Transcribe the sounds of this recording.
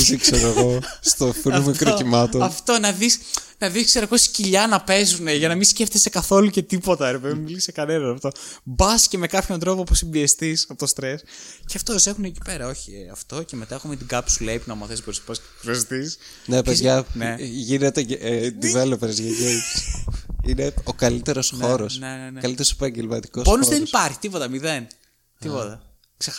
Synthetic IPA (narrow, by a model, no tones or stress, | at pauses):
isikseɾoeɣo̞st̪oθinumikɾocimɐt̪oɐft̪o̞nɐðis | nɐðiskseɾɐposi̥ciʎɐnɐpe̞zuneʝɐnɐmisceft̪esekɐθo̞luce̞t̪ipo̞t̪ɐɾepeðinmilisekɐnenɐnɐft̪o̞bɐsce̞me̞kɐpço̞nt̪ɾo̞po̞pusimbiest̪isɐpot̪ost̪ɾe̞sceɐft̪ose̞xuneci̥pe̞ɾɐo̞çiɐft̪o̞ce̞me̞t̪ɐexumet̪iɡɐpsuleipunɐmɐθesboɾispɐs | xɾeɐst̪isnepezʝɐneʝinet̪ed̪ivelopeɾzʝɐʝeksineokɐlit̪e̞ɾo̞sxo̞ɾosnenenekɐlit̪eɾosepɐɲɟelmɐt̪i̥kosponozðenipɐɾçi̥t̪ipot̪ɐmiðe̞n | t̪ipot̪ɐ | kse